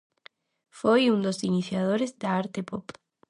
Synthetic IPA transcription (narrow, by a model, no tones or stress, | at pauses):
fojũnd̪osiniθjaðoɾezd̪aaɾt̪epop